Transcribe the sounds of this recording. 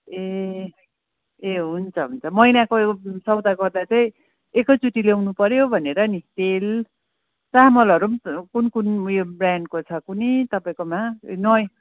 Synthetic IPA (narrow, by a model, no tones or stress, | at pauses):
e | eɦunt͡sʰʌɦunt͡sʰʌmʌjnakosʌwd̪aɡʌrd̪at͡saĩ | ekʌt͡suʈilewnupʌɾjobʱʌneɾʌnit̪el | t͡samʌlʌɾumkunkunjobraɳɖkot͡sʰʌkunit̪ʌpaĩkomanʌj